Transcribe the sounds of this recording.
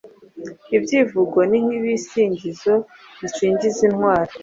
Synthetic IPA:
ibɟiːvuɡoniniβisiːɲɟizo̞ | βiʃiːɲɟizinhwaːɾa

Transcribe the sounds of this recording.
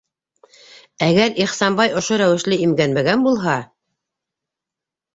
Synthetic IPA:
æɡæɾiχsɑmbɑjŏʃoɾæwɘ̆ʃlɘimɡænmæɡænbulˠɦɑ

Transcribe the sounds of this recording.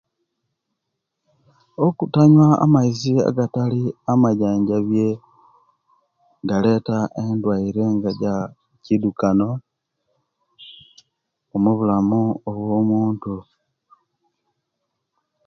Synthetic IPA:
okutaɲwaːa̰maizia̰ɡataliamaɟaːɲɟaβje | ɡale̞ːtaʔendwaiɾe̞ŋɡaɟa | cidukano̞ | omuβulamuoβwo̞ːmuːntu

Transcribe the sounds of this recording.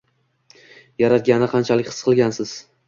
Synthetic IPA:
jaɾat̪̚ɡʲanɪqʰɑnt͡ʃʰalɪkʲχɨ̥sqʰɨlˠɡʲansɪz̥

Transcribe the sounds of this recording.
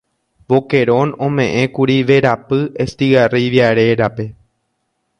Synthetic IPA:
ʋo̞ke̞ɾõ̞nõmẽ̞ʔẽ̞kuɾiʋe̞ɾapɨest̪iɣariʋjaɾe̞ɾape̞

